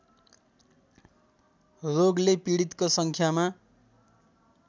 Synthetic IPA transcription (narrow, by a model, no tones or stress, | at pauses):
roɡlepiɽit̪kosʌŋkʰjama